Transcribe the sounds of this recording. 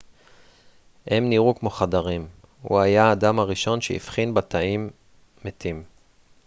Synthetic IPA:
hemniʁukmo̞χad̪aʁim | hṵajaːd̪amaʁiʃo̞nʃḛḭfχinbat̪aimː | et̪im

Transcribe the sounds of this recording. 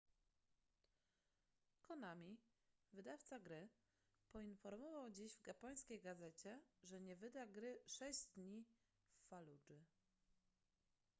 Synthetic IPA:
kɔnamʲi | vɘd̪aft̪saɡɾɘ | pɔinfɔɾmɔvawd͡ʑiʑvɡapɔj̃skʲejɡazɛt͡ɕɛʐɛɲɛvɘd̪aɡɾɘʂɛɕd̪ɲi | fːalud͡ʐɘ

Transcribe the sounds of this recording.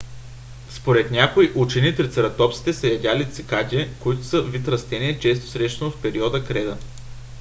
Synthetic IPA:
spoɾɛt̪nʲakoiʔut͡ʃɛnit̪ɾit̪sɛɾɐt̪ɔpt̪si̥t̪ɛsəjɐd̪ʲalit̪sikat̪ʲɛkoit̪ʊ̥səvit̪ɾɐst̪ɛnʲiɛt͡ʃɛst̪o̥sɾɛʃt̪ɛnofpɛɾiɔd̪əkɾɛd̪ə

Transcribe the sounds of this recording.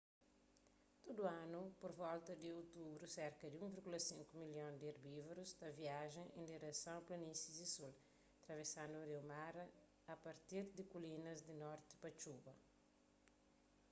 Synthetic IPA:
t̪od̪uãnupoɾvɔlt̪ɐd̪iot̪ubɾusɛɾkɐd̪iũviɾɡulɐsĩŋkumiljõnd̪iaɾbivɾust̪ɐviaʒẽŋʔẽnd̪iɾesãw̃plɐnisizisul | ɐt̪ɾɐvesãnd̪uɐɾewmaɾɐː | pɐɾt̪iɾd̪ikulinɐzd̪inɔɾt̪ɪ̥pɐt͡ʃubɐ

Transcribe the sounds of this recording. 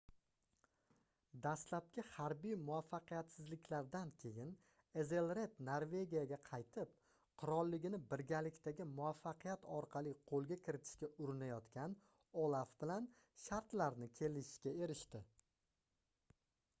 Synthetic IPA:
d̪aslap̚kʲɪhaɾbijmʊafːɑqɨjat̪sɪzlɪkʲʰlaɾd̪ankʲʰe̞jɪn | e̞zelˠɾe̞t̪noɾve̞ɡʲijaɡʲaqʰɑjt̪ʰɪp̚ | qʰʊɾɒlˠːɪɡʲɪnɪbɪɾɡʲalɪkʲt̪aɡʲɪmʊafːɑqijat̪ʰɒɾqʰɑlˠiqʰolˠɡʲakʲʰɪɾɪt̪ʰɪ̥ʃkʲaʔʊɾɪnajɒt̪kʲʰan | ɒlˠafbɪlan | ʃaɾt̪laɾnɪkʲʰe̞lɪʃɪ̥ʃkʲae̞ɾɪʃt̪ɪ

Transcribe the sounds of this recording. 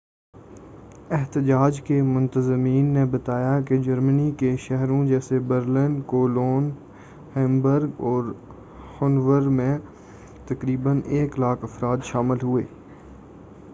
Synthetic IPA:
ɪɦt̪ɪd͡ʒaːd͡ʒkemʊ̃nt̪əzmiːnːebɐt̪aːjaked͡ʒɐɾmənikeʃɛɦɾõd͡ʒɛːsebəɾlɪnkoːloːn | hɛ̃ːmbəɾɡɔːɾ | hʊnʋəɾmẽ | t̪ɐkɾiːbəneːklaːkʰɐfɾaːt̪ʃaːmɪlɦʊḛː

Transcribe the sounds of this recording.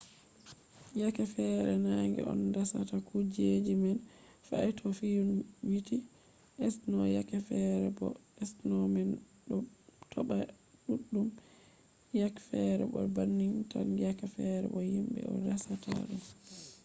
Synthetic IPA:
jakɛfɛɾɛnaŋɡɛ̰ɔ̰ndasatakʰud͡ʒed͡ʒimɛn | faɛtʰɔfijunwiti | ʔɛsnɔjakɛfɛɾɛbɔ̰ɛsnɔmɛn | ɗɔtʰɔɓa | ɗuɗːum | jakfɛɾɛ̰ɓɔ̰banːiŋtanjakɛfɛɾɛ̰ɓɔhimɓɛ̰ɔ̰ndasata̰ɗum

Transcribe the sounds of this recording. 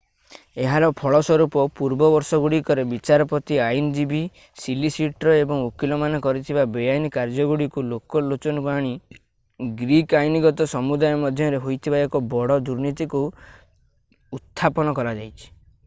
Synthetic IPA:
eɦaɾɔpʰɔɭɔswɔɾupɔpuɾbɔbɔɾsɔɡuɽikɔɾebit͡ʃaɾɔpɔt̪iajnɔd͡ʒibi | silisiʈɾɔebɔŋukilɔmanɔkɔɾit̪ʰibabejajnikaɾd͡ʒɔɡuɽikulokɔlot͡ʃɔnupaɽ̃i | ɡɾikajniɡɔt̪ɔsɔmud̪ajɔmɔd̪ʱjɔɾeɦojt̪ʰibaekɔbɔɽɔd̪uɾnit̪iku | ut̪ʰːapɔnɔkɔɾad͡ʒajt͡ʃʰi̥

